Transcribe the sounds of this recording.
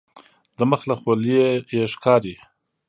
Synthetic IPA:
d̪əməxlaxwoljejeʃkɑɾi

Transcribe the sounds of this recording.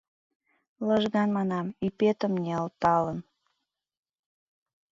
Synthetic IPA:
ləʒɣɑnmɑnɑmipet̪əmnʲeəlt̪ɑlən

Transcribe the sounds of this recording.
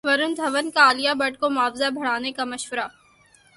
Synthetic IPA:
ʋɐɾʊnd̪ʱɐʋənkaːlijabɐʈkomʊaːfzabʱɐɽaːnekamɐʃʋəɾa

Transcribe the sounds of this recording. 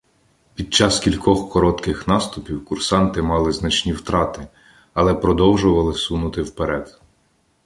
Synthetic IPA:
pʲid̪̚t͡ʃɑskʲilʲkɔxkɔɾɔt̪kɪxnɑst̪ʊpʲiwkʊrsɑnt̪ɪmɑlˠɪznɐt͡ʃnʲiwt̪ɾɑt̪ɪ | ɐlˠɛpɾɔd̪ɔwʒʊʋɐlˠɪsunʊt̪ɪwpeɾɛd̪

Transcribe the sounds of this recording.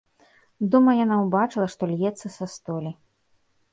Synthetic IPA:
d̪umɐjanawbat͡ʂɨlˠɐʂt̪ɔlʲjɛt̪sːɐsast̪ɔlʲi

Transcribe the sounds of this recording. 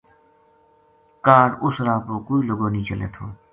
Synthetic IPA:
kaːɽʊsɾaːpoːkoːiːloɡoːnĩːt͡ʃəlḛːt̪ʰoː

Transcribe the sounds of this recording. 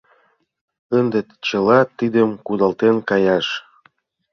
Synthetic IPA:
ənd̪et̪t͡ɕə̆lɑt̪id̪ə̆mkud̪ɑlt̪enkɑjɑʃ

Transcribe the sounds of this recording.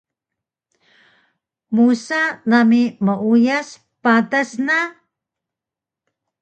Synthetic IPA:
musanamiməujas | padasna

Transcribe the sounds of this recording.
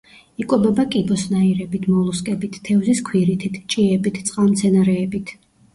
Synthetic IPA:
ikʼɔbɔbakʼibɔsnaiɾɛbit̪ʰmɔlˠuskʼɛbit̪ʰːɛvziskʰwiɾit̪ʰit̪ʰt͡ʃʼiɛbit̪ʰt̪sʼqʼamt̪sʰɛnaɾɛːbit̪ʰ

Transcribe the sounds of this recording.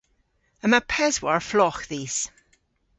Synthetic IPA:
əmapʰɛzwaɹflɔxðiz̥

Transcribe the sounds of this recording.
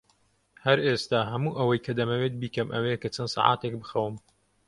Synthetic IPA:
hɐɾeːst̪aːɦɐmuːʔɐwɐjkʰɐd̪ɐmɐwet̪̚biːkɐmʔɐ̰wekɐt͡ʃʰɐnsɑ̰ːʕa̰ːt̪ek̚bɨxɐwɨm

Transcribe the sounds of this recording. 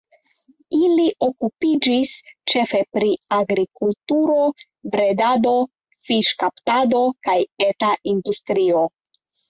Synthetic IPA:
iliʔo̞kupid͡ʒist͡ʃe̞fe̞pɾiaɡɾikultuɾo̞ | bɾe̞dado̞ | fiʃkaptado̞kajetaʔindustɾio̞

